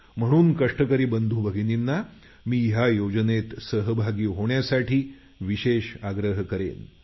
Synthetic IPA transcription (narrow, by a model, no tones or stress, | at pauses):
m̤əɽ̃uːnkəʂʈəkəɾiːbənd̪ʱuːbʱəɡʱininːa | miːɦjajod͡ʑənet̪səɦəbʱaɡiːɦoɳjasaʈʰiː | ʋiɕeɕaɡɾəɦəkəɾḛn